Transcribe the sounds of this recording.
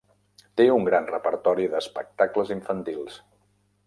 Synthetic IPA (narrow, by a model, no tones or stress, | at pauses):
t̪euŋɡɾanrəpəɾt̪ɔɾiðəspə̰k̚t̪akləziɱfənt̪ilˠs